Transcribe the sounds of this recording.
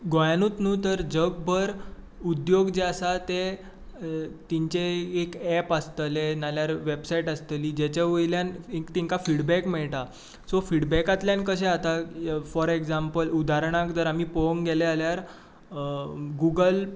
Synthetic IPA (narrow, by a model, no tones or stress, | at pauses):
ɡojanuːt̪nuːt̪əɾd͡ʑəɡ̚bʱəɾ | ud̪joɡd͡ʑeasat̪e | t̪iɲt͡ɕeːkɛpəst̪əlenaljaɾʋebsaiʈəst̪əliːd͡ʑet͡ɕaʋəjljanikt̪iŋkafiɽbɛkmeɭʈ̪a | sofiɽbɛkat̪ljankəɕ̬eat̪afɔɾekd͡zampəlud̪aɾɳ̃ãkd̪əɾam̤iːpoŋɡelealjaɾ | ɡuɡəl